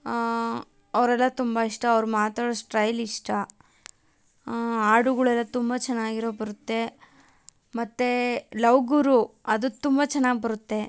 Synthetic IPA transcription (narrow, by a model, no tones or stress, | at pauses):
ɐʋɾɛlːɐt̪umbɐiʂʈɐːʋɾumaːt̪aːɽosʈɾɐjliʂʈɐ | aːɽuɡɐɭuɛlːɐt̪umbɐt͡ʃɛnːaːɡiɾo̞ːbɐɾut̪ːe̞ | mɐt̪ːelɐwɡuɾuɐd̪ut̪umbɐt͡ʃɛnːaːɡ̚bɐɾut̪ːe̞